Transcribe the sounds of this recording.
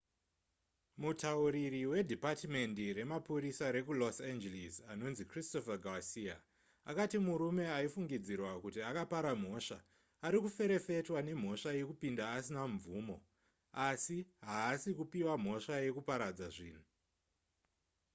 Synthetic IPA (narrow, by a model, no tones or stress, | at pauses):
mutauɾiriwe̞dʱipatme̞ndire̞mapuɾisaɾe̞kulosand͡ʒelizano̞nzikristofaɡawasia̰ | a̰katimuɾume̞aifuŋɡid͡zirwakutiakapaɾam̤o̞ʂa | aɾikufe̞ɾe̞fe̞twane̞m̤o̞ʂaje̞kupindaːsinaɱvuːmo | asiɦaːsikupiwam̤o̞ʂaje̞kupaɾad͡zaʐiːn̤u